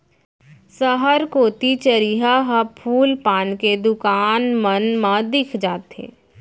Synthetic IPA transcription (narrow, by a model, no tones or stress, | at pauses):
səɦəɾkoːt̪it͡ʃəɾiːɦaɦəpʰuːlpaːnked̪ʊkaːnmənmãd̪ɪkʰd͡ʒaːt̪ɦḛː